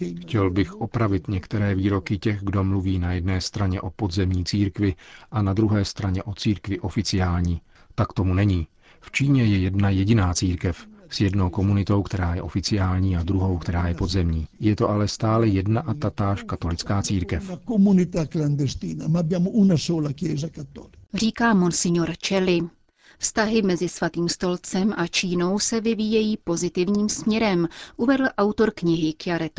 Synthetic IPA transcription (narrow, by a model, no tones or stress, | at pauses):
xcɛlbɪxʔo̞pɾavɪt̪ɲɛkt̪ɛɾɛːviːɾo̞kɪcɛɣɡdo̞mluviːnajɛd̚nɛːst̪ɾaɲɛʔo̞po̞dzɛmɲiːt͡siːɾkvɪʔanad̪ɾuɦɛːst̪ɾaɲɛʔo̞t͡siːɾkvɪʔo̞fɪt͡sɪjaːlɲiː | t̪akt̪o̞munɛɲiː | ft͡ʃiːɲɛjɛjɛdnajɛɟɪnaːt͡siːɾkɛfsjɛdno̞wko̞munɪt̪o̞wkt̪ɛɾaːjɛ̰ʔo̞fɪt͡sɪjaːlɲiːad̪ɾuɦo̞wkt̪ɛɾaːjɛpo̞d̪zɛmɲiːjɛt̪o̞ʔalɛst̪aːlɛjɛdnaʔat̪at̪aːʃkat̪o̞lɪt͡skaːt͡siːɾkɛfakomunit̪akland̪est̪iːnamabjamoʔunasoːlakjɛːzakat̪ːɔ̰likr̝iːkaːmonsɪɲoɾt͡ʃɛlɪ | fst̪aɦɪmɛzɪsvat̪iːmst̪o̞lt͡sɛmʔat͡ʃiːno̞wsɛvɪviːjɛjiːpo̞zɪt̪ɪvɲiːmsmɲɛɾɛmʔuvɛdl̩ʔawt̪o̞ɾkɲɪɦɪkjaɾɛt̪